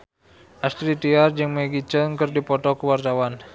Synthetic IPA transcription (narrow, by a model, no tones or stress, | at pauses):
ʔast̪ɾit̪iard͡ʒɨŋmeɡit͡ʃəŋkɨrdipɔt̪ɔkəwart̪awan